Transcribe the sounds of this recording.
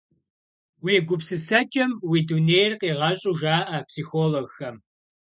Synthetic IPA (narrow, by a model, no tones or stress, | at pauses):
wiːɡʷʊpsɨsɐt͡ʃʼɐmwiːduneːjrqiːʁɐɕʼuʒaːʔɐpsiːxoːloɣxɐm